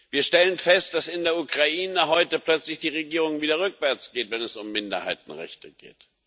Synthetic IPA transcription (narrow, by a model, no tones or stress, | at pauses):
viːɐʃtɛlənfɛst̚d̥asɪndeːɐukʁ̥aʔiːnəɦɔʏtəpl̥œt͡slɪçd̥iːʁeɡiːʁ̞ʊŋviːdɐʁʏkv̥ɛɐt͡sɡ̥eːtv̥ɛnɛsʊmːɪndɐ̰ha̰ɪt̚n̩ʁɛ̰çtəɡ̥ḛːt